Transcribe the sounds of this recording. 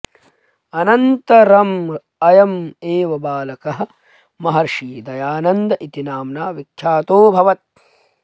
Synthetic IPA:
ɐnɐnt̪ɐɾɐm | ɐjɐmeːʋɐbaːlɐkɐɦɐ̆ | mɐɦɐɾʂiːd̪ɐjaːnɐnd̪ɐʔit̪inaːmnaːʋikʰjaːt̪oːbʱɐʋɐt̪̚

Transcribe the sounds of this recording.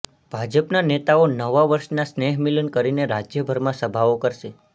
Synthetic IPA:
b̥ʱad͡ʒəpnanet̪aonəʋaʋəɾʃnasneɦmilənkəɾineɾad͡ʒjəbʱəɾmãsəbʱaʋokəɾʃe

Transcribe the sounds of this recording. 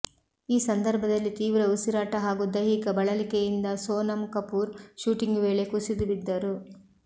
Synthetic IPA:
iːsɐnd̪ɐɾbʱɐd̪ɐlːit̪iːʋɾɐusiɾaːʈɐɦaːɡud̪ɐjɦikɐbɐɭɐlikejind̪ɐsoːnɐmkɐpuːɾʃuːʈiŋɡʋeːɭe̞kusid̪uʋid̪ːɐɾu

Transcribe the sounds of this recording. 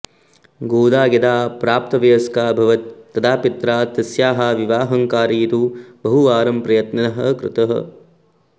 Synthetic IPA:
ɡoːd̪aːɡɐd̪aːpɾaːp̚t̪ɐʋɐjɐskaːbʱɐʋɐt̪̚ːɐd̪aːpit̪ɾaːt̪ɐsjaːɦaːʋiʋaːɦɐŋkaːɾiːt̪uːbɐɦuaːɾɐmpɾɐjɐt̪nɐnɐɦɐkɾɪ̰t̪ɐɦɐ̰

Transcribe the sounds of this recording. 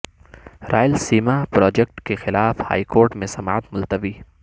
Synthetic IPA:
ɾa̰ːjəlsiːmapɾɔːd͡ʒɛk̚ʈkexɪlaːfha̰ːikoːɾʈmẽsɐma̰ːt̪mʊlt̪ɐʋiː

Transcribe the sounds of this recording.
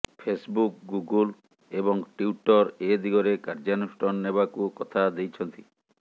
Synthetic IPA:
pʰesbuk̚ɡuɡul | ebɔŋʈiuʈɔɾed̪iɡɔɾekaɾd͡ʒanuʃʈɔnːebakukɔt̪ʰad̪ejt͡ʃʰɔnt̪i

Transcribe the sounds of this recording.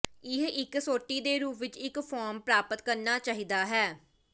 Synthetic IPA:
ɪɦɪksoːʈːiːd̪eːɾuːpʰʋɪt͡ʃɪkpʰɔːɾmpɾaːpət̪kəɾnaːt͡ʃaːɦiːd̪aːɦɛː

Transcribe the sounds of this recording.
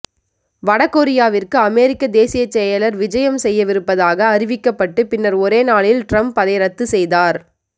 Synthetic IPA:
ʋɐɽɐkːoːɾɪjaːʋɪrkɯɐmeːɾɪkːɐd̪eːsɪjɐt͡ʃːɛjɐlɐɾʋɪd͡ʒɐjɐmsɛjːɐʋɪɾɯpːɐðaːɣɐːɾɪʋɪkːɐpːɐʈːɯpɪnːɐɾɔɾeːnaːɭɪlʈɾɐmpɐðɐɪɾɐt̪ːɯsɛjðaːɾ

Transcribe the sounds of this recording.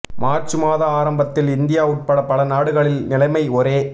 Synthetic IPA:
maːɾt͡ʃɯmaːðɐaːɾɐmbɐt̪ːɪlɪnd̪ɪjaːʊʈ̚pɐɽɐpɐlɐnaːɽɯɣɐɭɪlnɪlɐɪmɐɪɔɾeː

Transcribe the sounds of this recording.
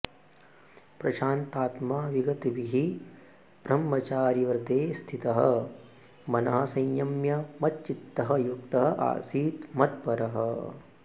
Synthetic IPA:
pɾɐʃaːnt̪aːt̪maːʋiɡɐt̪ibiɦi | b̥ɾɐmːɐt͡ʃaːɾiʋɐɾd̪eːst̪ʰit̪ɐɦɐ | mɐnɐɦɐsɐ̃jjɐmjɐmɐt̪t͡ʃit̪ːɐɦɐjuk̚t̪ɐɦɐʔa̰ːsiːt̪mɐt̪̚pɐɾɐɦɐ̰

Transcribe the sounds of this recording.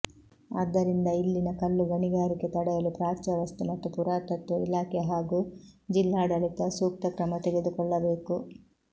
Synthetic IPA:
ɐd̪ːɐɾind̪ɐilːinɐkɐlːuɡɐniɡaːɾike̞t̪ɐɽɛjɐlupɾaːt͡ʃɐʋɐst̪umɐt̪ːupuɾaːt̪ɐt̪ːuḭlaːkeɦaːɡuːd͡ʒilːaːɽɐlit̪ɐsuːk̚t̪ɐkɾɐmɐt̪eɡe̞d̪ukɔɭːɐbe̞ːku

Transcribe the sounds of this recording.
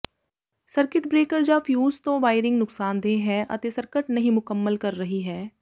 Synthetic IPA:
səɾkɪʈbɾeːkəɾd͡ʒaːfjuːzt̪õʋaːɪɾɪ̃ŋɡnʊksaːnd̪ẽɦɛ̃ʔɐ̰t̪esɐɾkəʈnɐɦĩmʊkəmːəlkɐɾːɐɦiɦɛː

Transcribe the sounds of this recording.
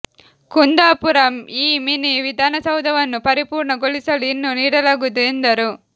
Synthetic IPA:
kund̪aːpuɾɐmiːminiʋid̪ʱaːnɐsɐwd̪ʱɐʋɐnːupɐɾipuːɾɳɐɡoɭisɐluinːuniːɽɐlaːɡud̪uend̪ɐɾu

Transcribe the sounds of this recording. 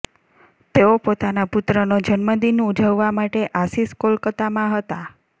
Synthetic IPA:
t̪eopot̪anapʊt̪ɾənod͡ʒənməd̪inũud͡ʒʱəʋːamaʈeʔasiskolkət̪amãɦət̪a

